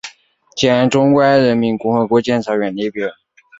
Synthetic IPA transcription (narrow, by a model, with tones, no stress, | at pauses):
t͡ɕjɛ˨˥˩nʈ͡ʂʊ˥ŋkwa˥nɻə˧˥nmi˧˥nkʊ˥˧ŋxɤ˧˥kwɔ˧˥t͡ɕjɛ˥˩˧nʂʰɤ˧˥ɥɛ˨˩nli˥˩pjɛ˧˥